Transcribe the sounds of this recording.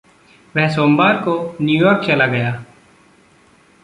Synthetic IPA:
ʋɛɦsoːmbaːɾkoːnjuːjoːɾkt͡ʃelaːɡəjaː

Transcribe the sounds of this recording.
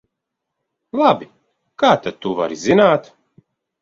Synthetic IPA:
lˠabi | kaːt̪ad̪̚t̪ːuva̰ɾizinaːt̪

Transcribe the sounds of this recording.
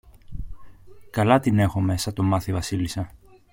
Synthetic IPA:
kɐlɐt̪ine̞xo̞me̞sɐt̪o̞mɐθivɐsilisɐ

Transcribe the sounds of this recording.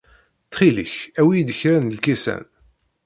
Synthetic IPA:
t̪χilə̰çæwijd̪əçɾænəlkæsæ̰n

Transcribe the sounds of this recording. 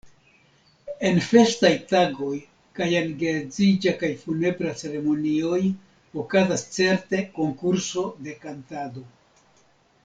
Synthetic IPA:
e̞nfe̞stajtaɡo̞j | kajanɡezid͡ʒakajfune̞bɾat͡se̞ɾe̞mo̞nio̞j | okazast͡se̞ɾte̞ko̞ŋkuɾso̞de̞kantado̞

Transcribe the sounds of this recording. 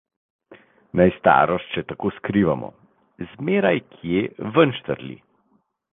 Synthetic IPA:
najst̪a̰ːɾɔst̪t͡ʃɛt̪akoːskɾiːʋamɔ̰ | zmeːɾajkʰjevənʃt̪əɾlʲḭ

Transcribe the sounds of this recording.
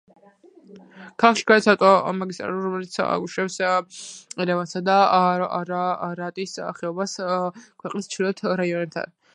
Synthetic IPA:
kʰalˠakʃi̥ɡadɛt̪sʰaɾt̪ʼɔmaɡist̪ʼɾa̰luɾɔmɛlit̪sʰa̰ɡuʃɾɛps | ɛlɛvansad̪aɾaɾat̪ʼisa̰χɛɔbaskʰwɛqʼnist͡ʃʰilɔt̪ʰɾaiɔnɛb̚t̪ʰa̰n

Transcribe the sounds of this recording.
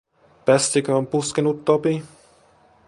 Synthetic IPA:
pɛscʲɛkampuskɛnut̪ːɔpi

